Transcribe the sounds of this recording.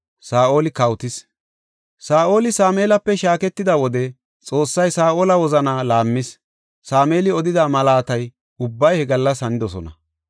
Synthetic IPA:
saːʔo̞ːlɪkɐwt̪ɪs | saːʔo̞ːlɪsaːmeːlɐpːɛʃaːkɛt̪ːɪd̪ɐwɔd̪ɛ | t͡sʼo̞ːsːɐjsaːʔoːlɐwɔzɐnaːlaːmːɪs | saːmeːlɪɔd̪ɪd̪amɐlaːt̪ɐj | ʊbːɐjhɛɡɐlːɐsɐnɪd̪ɔsɔnɐ̰

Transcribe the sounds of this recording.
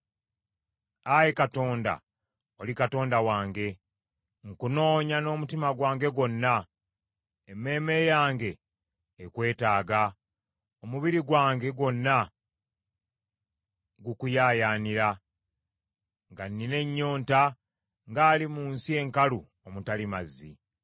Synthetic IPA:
ajekato̞ːnda̰ | olikato̞ːndawaːŋɡe̞ | ŋkuno̞ːɲano̞ːmutimaɡwaːŋɡe̞ɡwo̞nːa | emːe̞ːme̞jaːŋɡe̞ː | kwe̞ːtaːɡa | omuβiɾiɡwaːŋɡe̞ɡo̞nːa | ɡukujaːjaːniɾa | ŋɡanːine̞ɲːo̞ːnta | ŋɡaːlimuːnsie̞ŋkalu | omutalimazːi

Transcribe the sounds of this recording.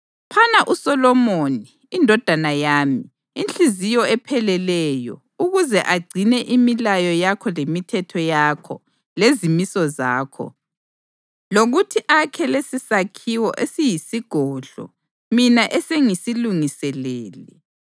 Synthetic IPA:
pʰanaʔusɔlɔmoniːndʱɔd̥ʱanajaːmiː | nt͡ɬizijɔɛpʰɛlɛlɛjɔ̰ | uɣuzɛʔaɡ͡ǀʱinɛʔimilajɔjakʰɔlemitʰɛtʰɔjakʰɔ̰ | lezimisɔzaːkʰɔ̰ | loɣutʰiʔakʰɛlesisakʰiwɔ̰ʔesijisiɡ̥ʱɔːɮɔ̰ | minaʔɛseŋisiluŋisɛlɛːlɛ

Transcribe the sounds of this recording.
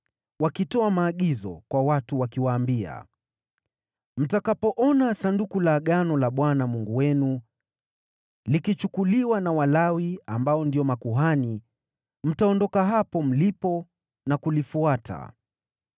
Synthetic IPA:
wakitɔamaːɠizɔ̰kwawatuwakiwaːmbia̰ | m̩takapɔʔɔnasandukulaɠanɔlaɓwanamuŋɡuwɛnu | likit͡ʃukuliwanawalawiambaɔndiɔmakuɦani | m̩taɔndɔkaɦapɔm̩lipɔ | nakulifuatʰa̰

